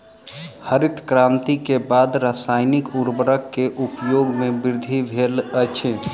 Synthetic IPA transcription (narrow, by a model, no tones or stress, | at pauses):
həɾɪt̪kɾãːnt̪ikebaːd̪ɾaːsaːɪnɪkuɾbəɾəkːeʔupjoːɡmẽbɪɾd̪ʱibʱelət͡ʃʰe